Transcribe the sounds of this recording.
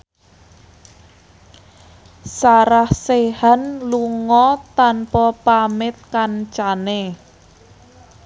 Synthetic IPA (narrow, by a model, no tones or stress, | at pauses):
saɾahsehanluŋɔt̪anpɔpamɪt̪̚kant͡ʃane